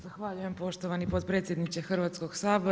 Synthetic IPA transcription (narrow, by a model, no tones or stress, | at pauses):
zaxʋaʎuje̞mpo̞ʃt̪oʋanipo̞d̪t̪̚pɾet̪sjed̪nit͡ʃexr̩ʋaːt̪sko̞ɡ̥saːbo